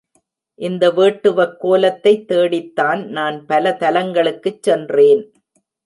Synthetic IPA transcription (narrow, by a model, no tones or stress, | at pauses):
ʔɪnd̪ɐʋeːʈːɯʋɐkːoːlɐt̪ːɐɪt̪ːeːɽɪt̪ːaːnnaːnpɐlɐt̪ɐlɐŋɡɐɭɯkːɯt͡ʃːɛndreːn